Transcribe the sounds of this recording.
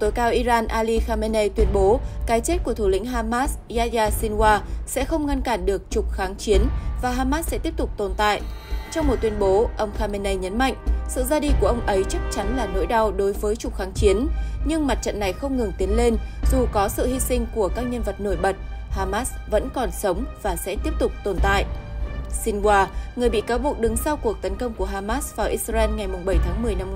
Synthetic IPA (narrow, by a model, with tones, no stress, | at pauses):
t̪o˨˦jkaː˨˧wʔi˧zaː˧nʔaː˧li˧xaː˧me˧ne˧jt̪wi˧ənɓo˨˦kaː˨˦jt͡ɕe˦˥t̚ku˧˩ət̪ʰu˧˨˩lḭ˧˥ŋ̟ɦaː˧maː˦˥s | zaː˧zaː˧si˧nwaː˧sɛ̰˧˥xə˧wŋ͡mŋa˧nkaː˧˩nɗɨ˨˩ək̚t͡ɕʊ˨˩k͡p̚xaː˨˦ŋt͡ɕi˨˦ənvaː˨˩ɦaː˧maː˦˥s̚sɛ̰˧˥t̪i˦˥p̚t̪ʊ˨˩k͡p̚t̪o˨˩nt̪a̰ː˧˨jʔt͡ɕɔ˧wŋ͡mmo˨˩t̪̚wi˨ənɓo˨˦ʔə˧wŋ͡mxaː˧me˧ne˧jɲə˨˦nma̰˧˨jŋ̟sɨ̰˧˨zaː˧ɗi˧ku˧˩əʔə˧wŋ͡mʔə˨˦jt͡ɕa˦˥k̚t͡ɕa˨˦nlaː˨˩no̰˧˥jɗa˧wɗo˨˦jvəː˨˦jt͡ɕʊ˨˩k͡p̚xaː˨˦ŋt͡ɕi˨˦ənɲɨ˧ŋma˨˩t̚t͡ɕə̰˧˨nːa˨˩jxə˧wŋ͡mŋɨ˨˩ŋt̪i˨˦ənle˧nzu˨˩kɔ˨˦sɨ̰˧˨hi˧sï˧ŋ̟ku˧˩əkaː˦˥k̚ɲə˧nvə˨˩t̚no˧˩jɓə˨˩t̚haː˧maː˦˥s | və̰˧˥nkɔ˨˩nsə˨˦wŋ͡mv̥aː˨˩sɛ̰˧˥t̪i˦˥əp̚t̪ʊ˨˩k͡p̚t̪o˨˩nt̪a̰ː˧˨jʔsi˧ŋɓwaː˧ŋɨ˨˩əjɓḭ˧˨kaː˨˦wɓu˨˩ək̚ɗɨ˨˦ŋsa˧wku˨˩ək̚t̪ə˨˦nkə˧wŋ͡mku˧˩əɦaː˧maː˦˥svaː˨˩ʔi˧˥a˧ɛ˧nŋa˨˩jmʊ˨˩ŋ͡mɓə˧˩jt̪ʰaː˨˦ŋmɨ˨˩əjna˧m